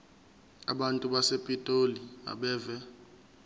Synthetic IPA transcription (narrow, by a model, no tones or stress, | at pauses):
aɓantʼuɓasepʼitʼolia̰ɓɛːvɛ